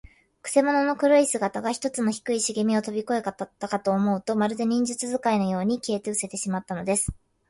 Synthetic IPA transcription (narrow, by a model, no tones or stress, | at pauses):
kɯ̟̥se̞mo̞no̞no̞kɯ̟ɾoisɨɡat̪aɡaçi̥t̪o̞t͡sɨno̞çi̥kɯ̟iɕiɡemʲio̞t̪o̞bʲiko̞e̞kat̪ːakat̪o̞ːmo̞ɯ̟t̪o̞maɾɯ̟d̪e̞ɲ̟ĩɲ̟d͡ʑɨt͡sɨzɨkaino̞jo̞ːɲ̟ikʲiet̪eɯ̟se̞t̪e̞ɕimat̪ːano̞d̪e̞sɨ̥